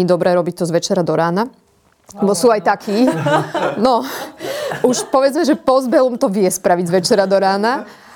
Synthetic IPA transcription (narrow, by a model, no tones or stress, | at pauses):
iːd̪ɔbɾɛːɾɔbic̚t̪ɔzʋɛt͡ʃɛɾad̪ɔɾaːna | bɔsuːajt̪akʰiː | nɔ | ʔuʃpɔʋɛd͡zmɛʒɛpɔzbɛlumt̪ɔʋɪɛspɾaʋizʋɛt͡ʃɛɾad̪ɔɾaːna